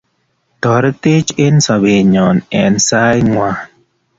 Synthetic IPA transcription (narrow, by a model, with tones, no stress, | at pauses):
tɔ˨ɾte˦t͡ʃe˦nsa˨be˨ɲɔ˨nɛ˨nsa˦jŋwa˨